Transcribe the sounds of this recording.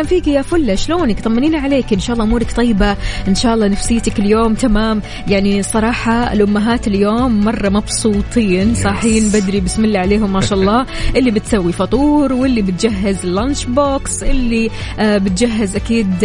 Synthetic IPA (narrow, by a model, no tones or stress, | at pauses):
anfiːkijafʊlːaʃloːnkt̪ˤɑmːɪniːnaʕaleːkʔɪnʃaːʔlːɑːʔʊmuːɾɑkt̪ˤɑjːbaʔɪnʃaːʔɑlˤːɑːnafsɪjːt̪akɪljoːmt̪amaːm | jaʕnisˤɑɾˤɑːħɑɪ̰lʔʊmːaɦaːt̪ɪljoːmːɑrˤːɑmɑbsˤuːt̪ˤiːnsˤɑːħiːnbad̪ɾibɪsmɪlːaʕaleːɦʊmːaːʃaːʔɑlˤːɑː | ʔɪlːibɪt̪sawːifɑt̪ˤuːɾwɪlːibɪt̪̚d͡ʒaɦːɪzɪlːant͡ʃboːksʔɪlːibɪt̪d͡ʒaɦːɪzʔakiːd̪